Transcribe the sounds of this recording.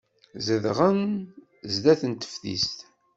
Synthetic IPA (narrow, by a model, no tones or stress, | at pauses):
zəðʁən | zd̪æθənt̪ə̥fθḭst̪